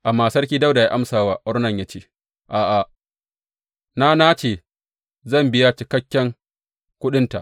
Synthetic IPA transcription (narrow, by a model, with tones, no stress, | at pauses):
ʔa˨mːaː˨sɐ˦rkʲiː˦da˦wda˨ja˦ʔa˦msaː˨waː˦ʔʊ˦ɾnɐ˨ɲja˦t͡ʃeː˦˨ | ʔaː˨ʔa˨ | na˦na˦t͡ʃeː˨ | zɐ˦˨mbɪ˦ja˦t͡ʃɪ˨kɐ˦kʲːɛ˦ŋ | kʷʊ˦ɗɪ˦nta˨ʔ